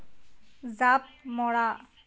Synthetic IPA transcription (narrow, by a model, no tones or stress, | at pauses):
zap̚mɔɽa